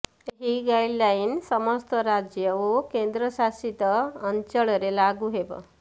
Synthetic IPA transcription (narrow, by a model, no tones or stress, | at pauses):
ɦiɡajɖlainsəməst̪əɾad͡ʑjəʋokend̪ɾəsasit̪əəɲt͡ɕəɭəɾelaɡuɦebə̰